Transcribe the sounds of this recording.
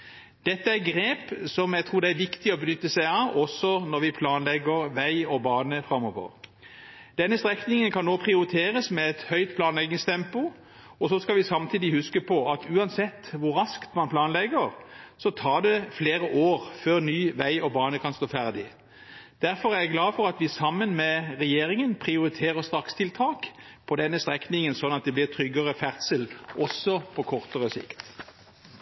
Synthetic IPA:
d̪̥ɛt̪ːəæʁɡɾeːpsɔmjæɪt̪ʰʁuːʁd̪ɛæɾʋɪkt̪ɪɔbənʏt̪ːəsæɪɑɔsɔnɔʁʋɪpʰlɑːnlɛɡəʁʋæɪɔbɑːnəfɾɑmːɔʋə̰ | d̪̥ɛnːəst̪ʁɛknɪŋənkʰɑnːoːpʰʁɪʊɾɪt̪ʰeːʁəsmɛɛt̪hœʏt̪pʰlɑːnlɛɡɪŋst̪ʰɛmpʊ | ɔsɔskɑʋɪsɑmt̪ʰiːd̪ɪhʉskəpʰɔɑt̪ʉːɑnsɛt̪ːʋʊɾɾɑskt̪mɑnpʰlɑːnlɛɡəʁsɔt̪ʰɑːd̪ɛfleːɾəʔoːʁføːʁnyːʋæɪʔɔbɑːnəkʰɑnst̪oːfæʁd̪ɪ | d̪̥æʁfɔɾʁæʁjæɡlɑːfɔʁɑt̪ʋɪsɑmːənmɛʁɛjeːɾɪŋənpʰʁɪʊɾɪt̪ʰeːʁəʁst̪ʁɑkst̪ʰɪlt̪ʰɑːk | pʰɔd̪ɛnːəst̪ʁɛknɪŋənsɔnɑt̪̚d̪ɛblɪʁt̪ʰɾʏɡːəʁəfæʁt̪səlʔɔsːɔpʰɔkʰɔʁt̪əʁəsɪ̰kt̪

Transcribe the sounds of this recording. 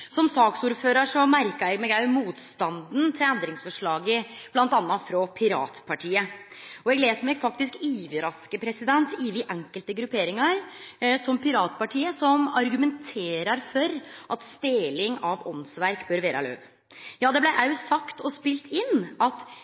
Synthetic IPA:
sɔmsɑːksuːɾføːɾəʂɔmæɾkɑɾɛɡmɛːɡæmuːt̪st̪ɑnd̪n̩t̪ʰɪlɛnd̪ɾɪŋsfɔʂɭɑːɡə | b̥lɑnt̪ɑnːɑfɾɔpʰɪɾɑ̰ːt̪pʰɑʈʰiːə | ɔɛɡleːt̪mɛɡfɑk̚t̪ɪskiːʋəɾɑskəpʰɾɛsɪd̪ɛnt̪ɪʋɪʔɛŋkəlt̪əɡɾʉpʰeːɾɪŋɑɾsɔmpʰɪɾɑːt̪pɑʈʰiːəsɔmɑɾɡʉmɛnt̪ʰeːɾəɾfɔɾʔɑt̪st̪eːlɪŋɑʋɔnsʋæɾkbøːɾʋeːɾʔə̰lø̰ːʋ | jɑːd̪ɛblæɪʔæɾjʊsɑkt̪ʰɔspɪlt̪ʰɪnːʔɑt̪

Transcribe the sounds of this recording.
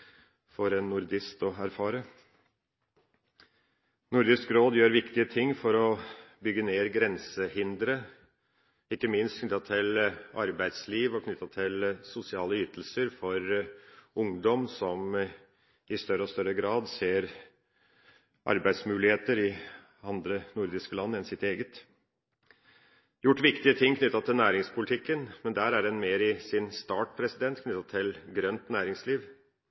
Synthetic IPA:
fɔɾɛnːʊɾd̪ɪst̪ɔæɾfɑːɾə | nʊɾd̪ɪskɾoːd̪jøːɾʋɪkt̪ɪət̪ʰɪŋːfɔɾɔbʏɡːəneːɾɡɾɛnsəhɪnd̪ɾə | ɪkːəmɪnst̪kʰnʏt̪ːɑt̪ʰɪlʔɑɾbæɪd̪sliːʋɔkʰnʏt̪ːɑt̪ʰɪlsʊsɪɑːləyːt̪əl̩səɾfɔɾ | ʊŋd̪ɔmsɔm | ɪst̪œɾəɔst̪œɾːəɡɾɑːd̪seːɾ | ʔɑ̰ɾbæɪsmʉːlɪheːt̪əɾɪ | ɑnd̪ɾənʊɾd̪ɪskəlɑnːəɛnsɪt̪eːɡət̪ | jʊʈːʋɪkt̪ɪət̪ʰɪŋːkʰnʏt̪ːɑt̪ʰɪlnæːɾɪŋspʰʊlɪt̪ʰɪkːənmɛnd̪æːɾæɾɛnmeːɾɪsɪnst̪ɑːʈpʰɾɛsɪd̪ɛnt̪kʰnʏt̪ːɑt̪ʰɪlɡɾœnt̪næːɾɪŋsliːʋ

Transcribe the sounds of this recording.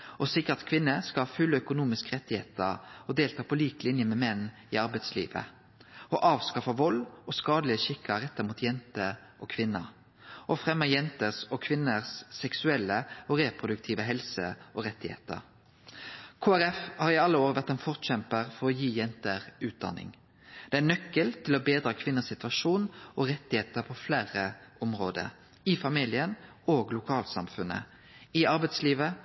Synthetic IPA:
ʔɔsɪkːəʁɑt̪kʰʋɪnːəskɑhɑfʉlːœkʊnuːmɪskəʁɛt̪ːɪhḛːt̪əʁɔd̪eːlt̪ʰɑːpʰɔliːklɪnjəmɛmɛnː | ɪɑʁbɛɪslḭːʋə̰ | ɔʔɑːʋskɑfɑʋɔlːɔskɑːd̪lɪəʃɪkʰːəʁɛt̪ːəmuːt̪jɛnt̪ə | ʔɔːkʰʋɪnːɑ̰ | ɔfʁɛmːəjɛnt̪əʁsɔkʰʋɪnːəʁsːɛksʉɛlːəɔʁeːpʁʊd̪ʉkt̪ʰiːʋəɦɛlsə̰ɔʁɛt̪ːɪhḛːt̪ə̰ʁ | kʰoːæɾɛfhɑːʁɪɑlːəoːʁəʋæʁt̪ɛnfɔʁt̪çɛmpəʁfɔʁɔjiːjɛnt̪əʁʉːt̪̚d̪ɑ̰nːɪ̰ŋ | d̪̥ɛænœkːəlt̪ʰɪlɔbeːd̪ɾɑːkʰʋɪnːəsɪt̪ʋɑʃuːnʔɔʁɛt̪ɪheːt̪əʁpʰɔflæːʁəʔɔmʁo̰ːd̪ə̰ | ɪfɑmilɪən | oːɡlʊkʰɑːlsɑ̰mfʉnə̰ | ɪɑʁbɛɪt̪sliːʋə

